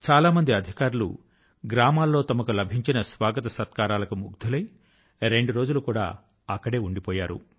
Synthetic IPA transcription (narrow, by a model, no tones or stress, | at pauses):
t͡ʃaːlaːmɐnd̪iɐd̪ʱikaːɾulṵ | ɡɾaːmaːlːo̞ːt̪ɐmɐkulɐbʱiɲt͡ʃinɐsʋaːɡɐt̪ɐsɐt̪kaːɾaːlɐkumṵɡd̪ʱulɐj | ɾe̞ɳɖuɾo̞ːd͡ʒulukuːɽa̰ː | ɐkːɐɽe̞ːuɳɖipɔːjaːɾṵ